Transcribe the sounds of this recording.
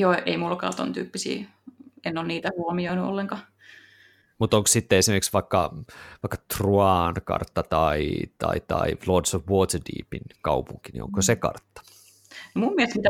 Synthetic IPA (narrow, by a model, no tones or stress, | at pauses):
joːʔeimulːkɑ̰ːt̪o̰nt̪y̰ːpːisḭː | enːonniːt̪æhuomioinuo̰lːeŋkɑ | mut̪oŋkssit̪ːeesimerksʋɑikːɑ̰ʋɑikːɑ̥t̪ruɑnkɑ̰rt̪ːɑt̪ɑit̪ɑ̰it̪ɑ̰iʋlodsoʋʋot̪dḭːpinkɑupuŋkinḭo̰ŋkosekɑ̰rt̪ːɑ̥ | nomummilst̪mit̪æ